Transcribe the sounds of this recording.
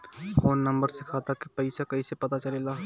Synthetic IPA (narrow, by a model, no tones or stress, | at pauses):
foːnnə̃mbəɾsekʰat̪akepəɪsakɐisepɐt̪at͡ʃɐlelaː